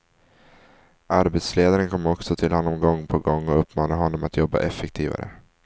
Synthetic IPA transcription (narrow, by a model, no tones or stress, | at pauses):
ʔaɾbɛt̪sleːd̪aɾənkʰɔmːɔksɔt̪ʰɪlhanɔmɡɔŋːpʰɔɡɔŋːɔɵpːmɑːnaɦɔnːɔmat̪jɔbːa̰ʔɛfːɛkt̪ʰiːva̰ɾə̰